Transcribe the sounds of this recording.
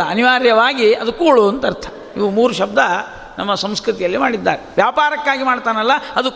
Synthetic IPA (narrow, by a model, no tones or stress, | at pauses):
ɐɐniʋaːɾjɐʋaːɡiɐd̪ukːuːɭuɐnt̪ɐɾt̪ʰɐ̥ | iʋumuːɾuʃɐb̚d̪ɐ | nɐmːɐsɐmskɾut̪ijɐlːimaːɽid̪ːaːɾɛʋjaːpaːɾɐkːaːɡimaːɽt̪aːnɐlːɐɐd̪u